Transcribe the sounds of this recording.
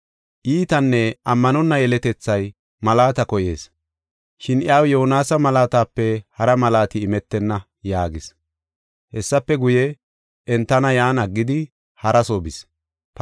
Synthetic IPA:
ʔiːt̪ɐnːɛɐmːɐnɔnːɐjɛlɛt̪ɛt͡sːɐj | mɐlaːt̪ɐkɔjḛːs | ʃɪnɪjaːwjoɔnaːsɐmɐlaːt̪aːpːɛhɐɾɐmɐlaːt̪ɪːmɛt̪ːɛnːɐ | jaːɡɪs | hɛsːɐpːɛɡʊjɛ | ʔɛnt̪ːɐnɐjaːnɐɡːɪd̪ɪ | hɐɾɐsoːbɪs | p

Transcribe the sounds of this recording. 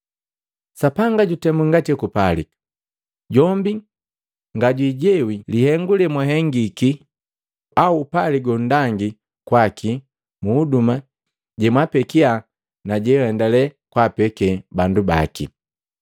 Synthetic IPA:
sapaŋɡaɟutɛmuŋɡatɛkupali | ɟɔmbi | ŋɡaɟwiːɟɛwilihɛŋɡulɛmwaɦɛŋɡiki | auːpaliɡɔn̩daŋɡi | kwaki | muːduma | ɟɛmwapɛkia | naɟɛhɛndalɛkwapɛkɛbanduba̰kḭ

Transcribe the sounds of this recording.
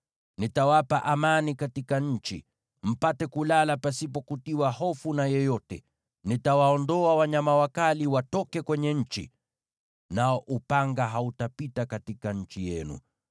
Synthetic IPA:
nitawapaʔamanikatikaɲ̩t͡ʃḭ | m̩patɛkulalapasipɔkutiwahɔfunajɛjɔtɛ̰ | nitawaɔndɔawaɲamawakaliwatɔkɛkwɛɲɛɲ̩t͡ʃḭ | naɔʔupaŋɡaɦautapitakatikaɲ̩t͡ʃijɛnṵ

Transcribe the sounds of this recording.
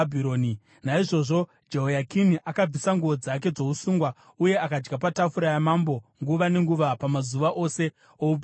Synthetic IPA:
bʱiɾoːni | naiʐo̞ʐo̞ | d͡ʒe̞ɦojakiniʔakab͡visaŋɡuʋo̞d͡zak̬e̞d͡zo̞usuːŋɡwa | uje̞akad͡ʒɡapatafuɾajamambo̞ŋɡuʋane̞ŋɡuʋapamazuʋaʔo̞se̞ | oup

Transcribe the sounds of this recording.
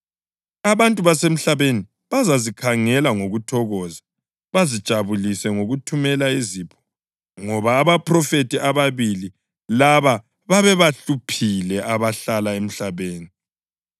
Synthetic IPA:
aβantʼuβasem̩ɬaβeni | βazazikʰaŋɛlaŋoɣutʰɔɣɔza | βazid̥ʒ̥ʱaβulisɛŋoɣutʰumɛlaiziːpʰɔ̥ | ŋɔβaːβapʰrɔfetʰʼiʔaβaβili | laβa | βaβɛβaɬupʰilɛʔaβaɬalaem̩ɬaβeːni

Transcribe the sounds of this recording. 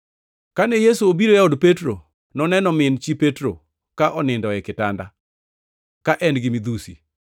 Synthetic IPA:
kanejesuobiɾojaodpetɾo | nɔnɛnɔmɪnt͡ʃipetɾo̰ | kaʔɔnɪndɔɛkɪtanda | kaʔɛnɡɪmid̪usḭ

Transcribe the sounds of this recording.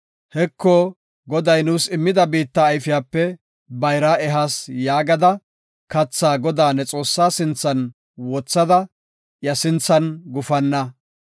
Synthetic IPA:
hɛkʰːɔ | ɡɔd̪ɐjnuːsɪmːɪd̪ɐbiːt̪ːɐːjfɪjaːpːɛ | bɐjɾaːɛɦasjaːɡɐd̪ɐ | kɐt͡sːaːɡɔd̪aːnːɛt͡sʼo̞ːsːaːsɪnt͡sːɐn | wɔt͡sːɐd̪ɐ | jɐsɪnt͡sːɐnɡʊfɐnːɐ

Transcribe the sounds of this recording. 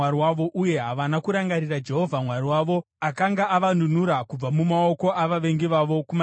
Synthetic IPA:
aɾiwaʋo̞ʔuje̞ɦaʋanakuɾaŋɡaɾirad͡ʒe̞ɦo̞vʱamwaɾiwaːʋo̞ | akaŋɡaaʋanun̤uɾakub͡vamumao̞ko̞ʔaʋaʋe̞ŋɡiʋaʋo̞kuma

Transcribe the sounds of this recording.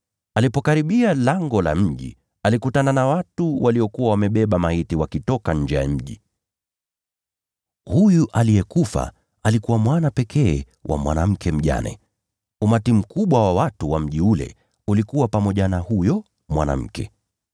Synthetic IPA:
alipɔkaɾiɓialaŋɡɔla̰m̩ʄḭ | alikutananawatuwʔaliɔkuwawamɛɓɛɓamahitiwakitɔkaɲ̩d͡ʒɛja̰m̩ʄi | hujuʔalijɛkufa̰ | alikuwamwanapɛkʰɛː | wʔa̰mwa̰nam̩kɛm̩ʄa̰nɛ̰ | umatim̩kuɓwawawatuwam̩ʄiulɛ̰ | ulikuwapamɔʄanahujɔ | mwa̰na̰m̩kɛ̰

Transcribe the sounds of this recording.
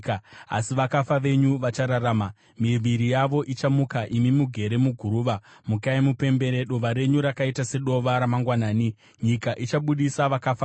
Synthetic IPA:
a̰siʋakafaʋe̞ɲuʋat͡ʃaɾaɾaːma | miʋiɾijaʋo̞ʔit͡ʃamukaʔimimuɡʱe̞ɾe̞muɡʱuɾuːʋamukaimupe̞mbe̞ɾe̞ɗoʋaɾe̞ɲuɾakaitase̞ɗo̞ʋaɾamaŋɡwanaːni | ɲikaʔit͡ʃaɓuɗisaʋakafa

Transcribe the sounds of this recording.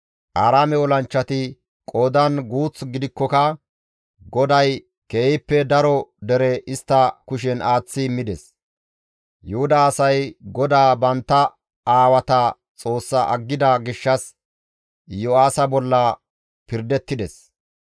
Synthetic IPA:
ʔaːɾaːmɛɔlɐnt͡ʃːɐt̪ɪ | kʼoːd̪ɐnɡuːt͡sɡɪd̪ɪkːɔkɐ | ɡɔd̪ɐj | keːjɪpːɛd̪ɐɾɔd̪ɛɾɛʔɪst̪ːɐkʊʃ̬ɛnʔaːt͡sːɪmɪd̪ɛs | jʊhʊd̪aːsɐjɡɔd̪aːbɐnt̪ːɐ | aːwɐt̪ɐ | t͡sʼo̞ːsːɐʔɐɡːɪd̪ɐɡɪʃːɐs | jɔaːsɐbɔlːɐ | pɪɾd̪ɛt̪ːɪd̪ɛs

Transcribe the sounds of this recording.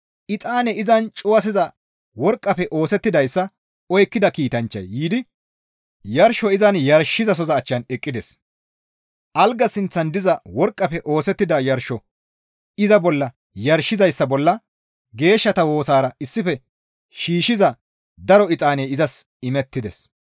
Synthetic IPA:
ʔɪt͡sʼaːnɛɪzɐnt͡ʃʼʊwɐs̬ɪzɐ | wɔɾkʼːɐpɛʔo̞ːsɛt̪ːɪd̪ɐjsːɐ | ɔjkːɪd̪ɐkiːt̪ɐnt͡ʃːɐ̰jːiːd̪ɪ | jɐɾʃɔɪzɐnjɐɾʃɪzɐs̬ɔzɐːt͡ʃːɐnɛkʼːɪd̪ɛs | ʔɐlɡɐsɪnt͡sːɐnd̪ɪzɐwɔɾkʼːɐpɛʔo̞ːsɛt̪ːɪd̪ɐjɐɾʃɔ | ɪzɐbɔlːɐ | jɐɾʃɪzɐjsːɐbɔlːɐ | ɡe̞ːʃːɐt̪ɐwo̞ːsaːɾɐɪsːɪfɛ | ʃiːʃɪzɐ | d̪ɐɾɔɪt͡sʼaːneɪzɐs | ɪmɛt̪ːɪd̪ɛ̰s

